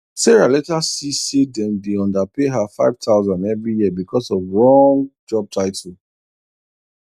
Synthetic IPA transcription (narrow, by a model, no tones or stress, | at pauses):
sɛɹalɛtasisidɛ̃mdeɔ̃ndapeɦafaɪv̥tʰaʊzãndɛvɹijiəbikɔsɔvlɔŋd͡ʒɔb̚tʰaɪtʰl̩